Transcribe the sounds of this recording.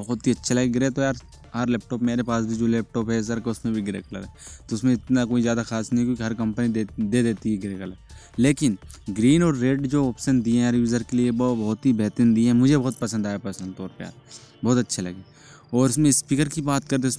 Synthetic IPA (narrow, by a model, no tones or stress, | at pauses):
bɐɦʊt̪iɐtːʃʰelɐɡeɡɪɾet̪ojaːɾ | ɦɐɾlɛːp̚ʈɔːpmeːɾepaːsbʱid͡ʒoːlɛːp̚ʈɔːpɦɛs̬ɐɾkaʊsmẽbʱiɡɪɾḛːkɐlə̰ɾɛːt̪oʊsmẽɪt̪nakoːizjaːd̪axaːsnɐĩkjõːkiɦɐɾkɐ̃mpənid̪ed̪eːd̪eːt̪iɦɛɡɪɾeːkəlɛ | leːkɪnɡɾiːnɔːɾːeːɖd͡ʒoːɔːpʃənd̪iɦɛ̃ɾjuːzəɾkeliebbɐːt̪ɦibɛːt̪ɪnd̪iɦɛ̃mʊd͡ʒʱebɐɦʊt̪̚pɐsə̃nd̪aːjapɐsə̃nd̪t̪ɔːɾpeja̰ːɾ | bɔːt̪ɐtːʃʰelɐ̰ɡeː | ɔːɾɪsmẽspiːkəɾkibaːt̪kɐɾt̪̬eʊs